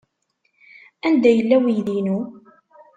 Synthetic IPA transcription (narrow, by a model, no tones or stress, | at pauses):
ænd̪æjəlːæwijðinu